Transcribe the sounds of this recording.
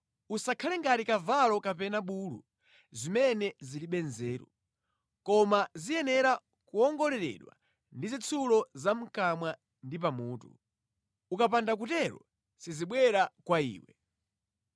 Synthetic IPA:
usakʰalɛŋɡatikavalɔkapɛnaɓuːlṵ | zimɛnɛziliɓɛnzɛːɾṵ | kɔmazijɛnɛɾa | kuɔŋɡɔlɛɾɛ̰ɗwa̰ | ndizit͡sʰulɔzam̩kamwa | ndip̬amuːtṵ | ukap̬andak̬utɛɾɔ̰ | siziɓwɛɾakwaḭːwɛ

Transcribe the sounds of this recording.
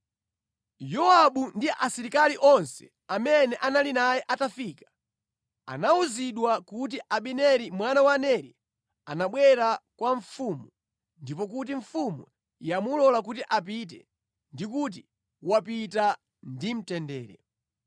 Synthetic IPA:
jɔaɓundiʔasiɾikaliʔɔnsɛ̥̰ | amɛnɛʔanalinajɛʔatafikḁ | a̰nauziɗwakut̬iʔaɓinɛɾimwanawanɛɾi | anaɓwɛɾakwaɱfumu | ndipɔk̬ut̬iɱfumṵ | jamulɔlak̬utiʔap̬it̬ɛ̰ | ndik̬ut̬i | wapita | ndim̩tɛndɛ̰ːɾɛ

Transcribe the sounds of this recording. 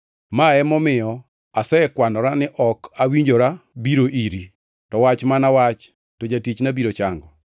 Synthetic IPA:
maɛmɔmɪjɔ | asɛkwanɔɾanɪʔɔkawiɲd͡ʒoɾabiɾoʔiɾi | tɔwat͡ʃmanawat͡ʃ | tod͡ʒatit͡ʃnabiɾot͡ʃaŋɡɔ

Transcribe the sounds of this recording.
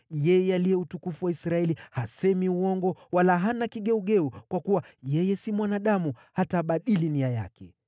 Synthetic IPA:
jɛjɛalijɛutukufuwaisɾaɛlihasɛmiuɔŋɡɔwalaɦanakiɠɛuɠɛukwakuwajɛjɛsimwanaɗamu | hataːɓaɗiliniaja̰kɛ

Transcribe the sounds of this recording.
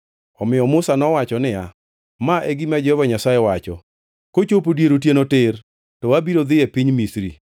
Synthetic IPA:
ɔmɪjɔmʊsanɔwat͡ʃɔnɪja̰ | maʔɛɡimad͡ʒɛɔvaɲasajɛwat͡ʃɔ̰ | kot͡ʃopodjeɾot̬jenotɪr | tɔwabiɾod̪ɪepiɲmisɾḭ

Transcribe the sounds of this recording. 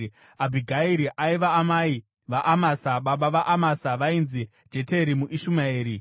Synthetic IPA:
abʱiɡʱaiɾiʔaiʋaːmai | ʋaʔamasaɓaɓaʋaʔamasaʋainzi | d͡ʒe̞teɾimuʔiʃumaeːɾi

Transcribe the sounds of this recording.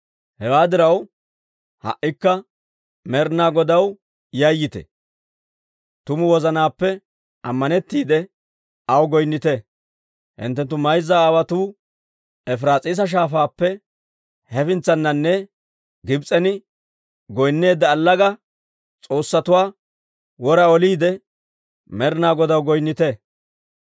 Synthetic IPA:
hɛwaːd̪ɪɾɐw | hɐ̰ʔːɪkːɐ | mɛɾnaːɡɔd̪ɐw | jɐjːɪt̪ɛ̰ | t̪ʊmʊwɔzɐnaːpːɛ | ʔɐmːɐnɛt̪ːiːd̪ɛ | ɐwɡɔjnːɪt̪ɛ | hɪ̰nt̪ːɛnt̪ːʊmɐjzːaːwɐt̪uː | ɛfɾaːt͡sʼiːs̬ɐʃ̬aːfaːpːɛ | hɛfɪnt͡sːɐnːɐnːɛ | ɡɪbt͡sʼɛnɪ | ɡɔjnːe̞ːd̪ːɐːlːɐɡɐ | t͡sʼo̞ːsːɐt̪ʊwaː | wɔɾɐɔliːd̪ɛ | mɛɾnaːɡɔd̪ɐwɡɔjnːɪt̪ɛ

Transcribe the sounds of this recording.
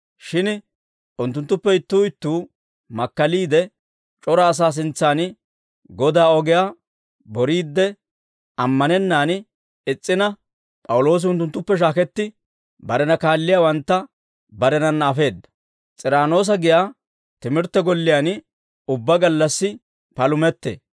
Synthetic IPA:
ʃɪn | ʊnt̪ːʊnt̪ːʊpːɛɪt̪ːuːɪt̪ːuː | mɐkːɐliːd̪ɛ | t͡ʃʼɔɾaːs̬aːs̬ɪnt͡sːaːn | ɡɔd̪aːɔɡɪjaː | bɔɾiːd̪ːɛ | ɐmːɐnɛnːaːn | ɪt͡sʼːɪnɐ | pʼɐwʊlo̞ːs̬ɪʊnt̪ːʊnt̪ːʊpːɛʃ̬aːkɛt̪ːɪ | bɐɾɛnɐkaːlːɪjaːwɐnt̪ːɐ | bɐɾɛnɐnːɐːfe̞ːd̪ːɐ̥ | t͡sʼɪɾaːno̞ːs̬ɐɡɪjaː | t̪ɪmɪɾt̪ːɛɡɔlːɪjan | ʊbːɐɡɐlːɐsːɪ | pɐlʊmɛt̪ːḛː

